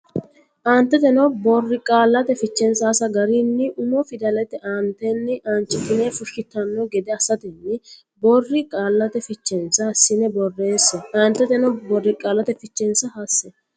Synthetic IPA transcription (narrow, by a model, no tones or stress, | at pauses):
ʔaːnt̪ːɛt̪ɛnɔbɔrːɪkʼaːlːɐt̪ɛfɪt͡ʃːɛnsɐsɐɡɐɾinːɪʔʊnɔfɪd̪ɐlɛt̪ːɛʔaːnt̪ːɛnːɪʔant͡ʃːɪt̪ːɪnɛfʊʃːɪt̪ːɐnːɔɡɛd̪ɛɐsɐt̪ɪnːɪ | bɔrːɪkʼaːlːɐt̪ɛfɪt͡ʃːɛnsɐhɐsːɪnɛbɔrːe̞ːsːɛʔaːnt̪ːɛt̪ɛnɔbɔrːɪkʼaːlːɐt̪ɛfɪt͡ʃːɛnsɐhɐsːɛ